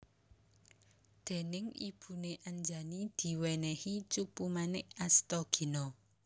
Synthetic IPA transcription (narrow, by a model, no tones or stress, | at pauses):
d̪̥e̤nɪŋḭb̥ṳneʔaɲd͡ʒanid̪̥i̤wɛnɛhit͡ʃupumanɪʔast̪ɔɡ̥i̤nɔ